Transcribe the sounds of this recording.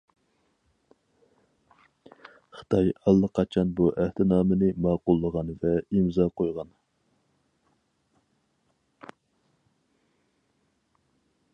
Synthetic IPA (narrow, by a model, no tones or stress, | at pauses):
χə̥t̪ʰɑjɑlˠːəqʰːɑt͡ʃʰɑnbuʔæht̪ʰɪnɑːmɨnɨmɑːqʊlˠːəʁɑnvɛimzɑːqʰojʁɑn